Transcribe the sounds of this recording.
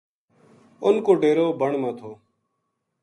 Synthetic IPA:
ʊnkoːɖeːɾoːbəɳmãːt̪ʰoː

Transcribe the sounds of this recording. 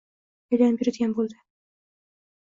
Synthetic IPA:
ojd̪apjɪɾɪd̪ɪɡʲanbolˠd̪ɪ

